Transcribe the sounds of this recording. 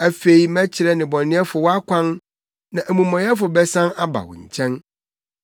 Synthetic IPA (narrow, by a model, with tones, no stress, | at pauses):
æ˨fe˨i˨mæ̃˦t͡ɕʰɪ˨ɾɛ˦nɪ̃˨bɔ̃˨nːɪ̃˦ɛ˦fʊ˨wɔ˦a˦kʷʰã˦n | nã˨ʔæ˨mũ˨mɔ̃˨jɛ˦fʊ˨bɛ˦sã˦na˦ba̰˨wɔ̰̃˨ɲ̩˨t͡ɕʰɛ̃˦n